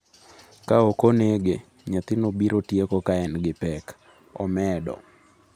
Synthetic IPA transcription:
kaokoneɡe | ɲat̪ɪnobiɾotjekokaɛnɡɪpɛk | ɔ̰mɛdɔ̰

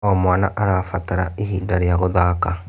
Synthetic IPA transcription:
ɔmwaːnaʔaɾaːfataɾaihiːndaɾjaɣoðaːka

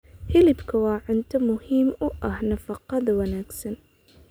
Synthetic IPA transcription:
hilibkawaʕɪnt̪amʊhimʔahnafɑqːɑd̪wanaksan

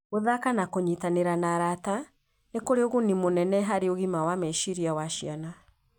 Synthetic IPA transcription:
ɣoðakanakoɲitaneɾanaɾata | nekoɾeoɣonimonɛnɛɦaɾeoɣimawamɛʃiɾiawaʃiana

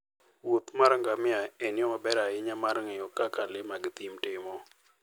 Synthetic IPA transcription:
wot̪maɾŋɡamɪaɛnɪɔmabɛɾaɪɲamaɾŋɪɔkakalɪmaɡt̪imtɪmɔ

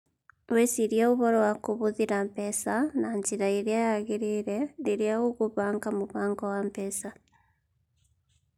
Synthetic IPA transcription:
wesiɾjauβoɾowakuβuðiɾampesanaɲɟiɾaiɾiajaɣiɾiɾeniɾjaɣuɣuβaːŋɡamuβaːŋɡawampɛsa

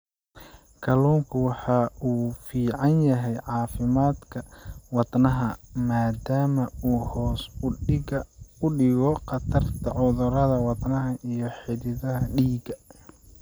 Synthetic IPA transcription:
kʰɐluːmkʰʊwɑħɑʔuːfiːʕɑnjɐɦɛjʕɑːfɪmaːd̪kʰɐwɑd̪nɐɦɐmaːd̪aːmɐuːhɔːsɡɐʊɖɪɣɔqɑt̪ʰɐrt̪ʰɐʕʊðʊɾɐðɐwɑd̪nɐɦɐʔijɞħɪðɪðɐɦɐɖiːɡɐ

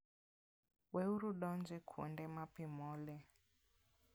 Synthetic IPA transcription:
wɛuɾuɗɔnd͡ʒɛkʰṵndɛmapimɔːlɛ

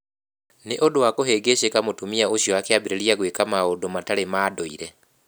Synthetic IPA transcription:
neʔodowakoɦeɡeʃekamotumiaoʃjɔakeabiɾeɾjaɣwekamaodomataɾemaːdoḭɾɛ

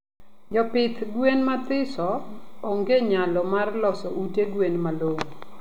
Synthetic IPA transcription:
d͡ʒɔpɪt̪ɡwenmat̪ɪsɔːŋɡeɲalɔmarlɔsɔʔuteɡwenmaloŋo

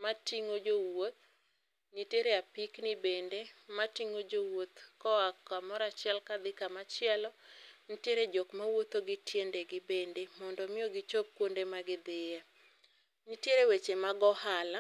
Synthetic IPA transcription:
matiŋod͡ʒowot̪̚ | ɲiteɾeapiknɪbendematiŋod͡ʒowot̪kɔakːamɔɾat͡ʃɪɛlkad̪ɪkamat͡ʃɪɛlɔnitjeɾed͡ʒɔkmawot̪oɡɪtjendeɡɪbendemɔndɔmɪjoɡɪt͡ʃop̚kwondemaɡɪd̪ɪja | ɲitjeɾewet͡ʃemaɡɔhala

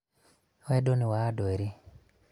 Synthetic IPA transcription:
wɛdoniwadweɾi

